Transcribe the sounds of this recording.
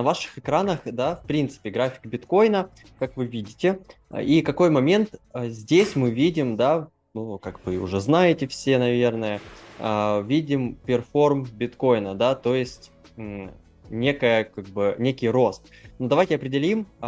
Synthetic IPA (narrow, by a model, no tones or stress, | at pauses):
nɐvaʂɨ̥xɨkɾanəxd̪afpɾʲint̪sɨ̥pʲɪɡɾafʲɪ̥kbʲɪt̪ko̞jnə | kakvɨvʲidʲɪtʲɪ̰ikɐko̞jmɐmʲe̞nt̪əzʲdʲesʲmɨvʲidʲɪmd̪a | nukakvɨʊ̰ʐɛznajɪtʲɪfsʲe̞nɐvʲe̞rnəjəəvʲidʲɪmpʲɪrfo̞rmbʲɪt̪ko̞jnəd̪at̪ojɪsʲt̩ʲ | nʲe̞kəjəkaɡ̚bɨnʲekʲɪjɾo̞st̪̚nud̪ɐvajtʲɪɐpɾʲɪdʲɪlʲim